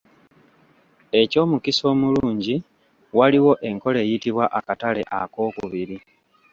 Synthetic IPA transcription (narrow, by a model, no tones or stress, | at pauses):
e̞co̞ːmukiso̞ːmuluːɲɟi | waliwo̞ʔe̞ŋko̞le̞jitiβwaʔakatale̞̰ʔa̰ko̞ːkuβiɾi